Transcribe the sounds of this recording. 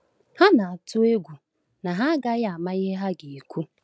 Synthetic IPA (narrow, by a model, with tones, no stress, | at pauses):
ha˦na˨a˨tʊ˦e˦ɡʷu˨ | na˨ɦa˦ɡa˦ja˦a˨ma˦i˦ɦe˦ɦa˦ɡɪ˨i˨kʷu˦